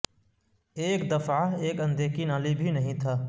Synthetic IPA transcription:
eːkd̪əfaɦeːkɐ̃nd̪eːkinaːlibʱinɐɦĩt̪ʰaː

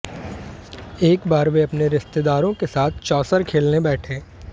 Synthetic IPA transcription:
eːkbaːɾbeɐpneɾɪst̪ed̪aːɾõkesaːt̪ʰt͡ʃɔːsəɾkʰeːlnebɛːʈʰẽː

